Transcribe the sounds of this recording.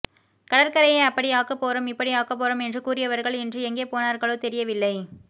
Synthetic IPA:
kɐɽɐɾkɐɾɐjɐɪɐpːɐɽiaːkɐpːoːɾɐmɪpːɐɽiaːkɐpːoːɾɐmɛndrɯkuːɾɪjɐʋɐɾɣɐɭɛndrɯɛŋɡeːpoːnaːɾɣɐɭoːt̪ɛɾɪjɐʋɪlːɐɪ

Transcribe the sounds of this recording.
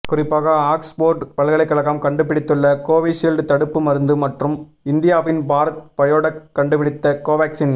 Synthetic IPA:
kʊrɪpːaːɣɐaːksboːɾʈpɐɭɣɐɭɐɪkːɐɭɐɣaːmkɐɳɖɯpɪɽɪt̪ːɯɭːɐkoːʋiʂilɖt̪ɐɽɯpːɯmɐɾɯnd̪ɯmɐʈrɯm | ɪnd̪ɪjaːʋɪnbaːɾpɐjoːɽɐːɐɳɖɯpɪɽɪt̪ːɐkoːʋaːksɪn

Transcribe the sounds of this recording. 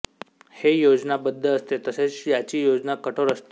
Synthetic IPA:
hejod͡ʑnabəd̪ʱːəːst̪et̪əset͡sjat͡ɕiːjod͡ʑnakəʈʰoɾəst̪e

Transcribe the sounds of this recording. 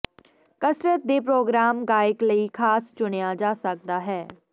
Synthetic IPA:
kəsɾət̪̚d̪eːp̬ɾoːɡɾaːmɡaːɪkləikʰaːst͡ʃʊnejaːd͡ʒaːsək̚d̪aːɦɛː

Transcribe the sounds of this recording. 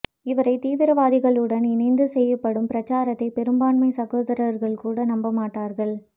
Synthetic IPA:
ɪʋɐɾɐɪt̪iːʋɪɾɐʋaːðɪɣɐɭɯɽɐnɪnɐɪnd̪ɯsɛjːɐpːɐɽɯmpɪɾɐt͡ʃːaːɾɐt̪ːɐɪpɛɾɯmbaːɳmɐɪsɐɣoːðɐɾɐɾɣɐɭkuːɽɐnɐmbɐmaːʈːaːɾɣɐɭ

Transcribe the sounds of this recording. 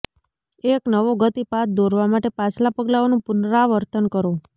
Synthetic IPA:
eknəʋoɡət̪ipat̪̚d̪oɾʋamaʈepat͡ʃlapəɡlaonũpʊnɾaʋəɾt̪ənkəɾo

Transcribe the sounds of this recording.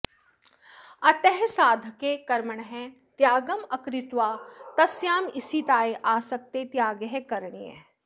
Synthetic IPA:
ɐt̪ɛɦsaːd̪ʱkekɐɾməɳ̃ɦɛ̃ | t̪jaːɡəmɐkɾɪt̪ʋaːt̪ɐsjaːmɪsit̪aːeʔaːsɐk̚t̪et̪jaːɡəɦekɐɾɳ̃ḭɛ̰̃ː

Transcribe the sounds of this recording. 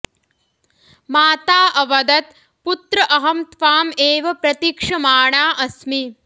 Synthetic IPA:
maːt̪aːʔɐʋɐd̪ɐt̪ | put̪ɾɐʔɐɦɐmt̪ʋaːmeːʋɐpɾɐt̪ikʂɐmaːɳaːʔɐsmi

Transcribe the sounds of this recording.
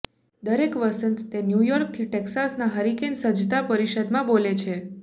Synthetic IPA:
d̪əɾekʋəsənt̪t̪enjujɔɾk̚t̪ʰiʈeksasnaɦəɾikensəd͡ʒt̪apəɾiʃəd̪mãbolet͡ʃʰe

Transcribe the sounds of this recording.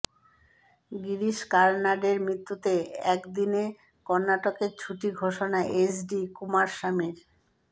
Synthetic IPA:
ɡiɾiʃkaɾnaɖeɾmɾit̪ːut̪eɛkd̪ine | kɔɾnaʈokeɾt͡ɕʰuʈiɡʱoʃonaʔesɖikumaɾʃamiɾ

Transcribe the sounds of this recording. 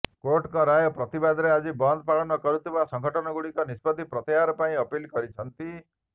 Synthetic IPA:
koʈkɔɾajɔpɾɔt̪ibad̪ɾead͡ʒibɔnd̪̚ʱpaɭɔnɔkɔɾut̪ʰibasɔŋɡʱɔʈɔnɔɡuɽikɔnispɔd̪ʱipɾɔt̪iaɾɔpaĩʌpilkɔɾit͡ʃʰʌnt̪i

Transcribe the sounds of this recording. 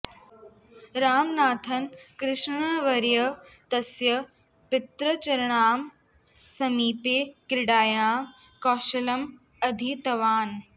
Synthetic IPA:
ɾaːmnaːt̪ʰɐnkɾɪʃɳ̃ɐʋɐɾjɐt̪ɐsjɐ | pɪt̪ɾɐt͡ʃɐɾɐɳ̃aːm | sɐmiːpeːkɾɪɽaːjaː | kɔːʃɐlɐm | ɐd̪ʱit̪ɐʋaːn

